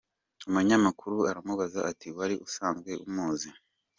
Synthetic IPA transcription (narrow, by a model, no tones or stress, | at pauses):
umuɲamakʰuɾuaɾamuβazaʔatiwaɾiʔusaːnzɡwe̞ʔumuːzi